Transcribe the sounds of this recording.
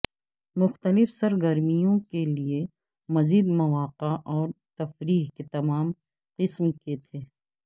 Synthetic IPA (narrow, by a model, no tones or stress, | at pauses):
mʊxt̪əlɪfsɐɾɡəɾmijõkelie | mɐziːd̪mɐʋaːqaʔɔːɾt̪ɐfɾiːɦket̪ɐmaːm | qɪsmket̪ʰeː